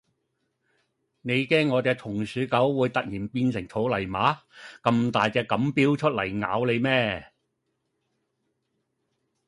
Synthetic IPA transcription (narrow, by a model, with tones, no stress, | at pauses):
ne˨˧jkɛː˥ŋːɔː˨˧t͡sɛː˧k̚t̪ʰʊ˨˩ŋsyː˨˥kɐ˨˥wːuː˨˧jt̪ɐ˨k̚jiː˨˩npiː˧nsɪ˨˩ŋt͡sʰo˨˥wlɐ˨˩jmaː˨˥kɐ˧mt̪aː˨jt͡sɛː˧kɐ˨˥mpiː˥wt͡ʃʰɵ˥t̚lɐ˨˩jŋa̰ː˨˥wle˨˧jmɛː˥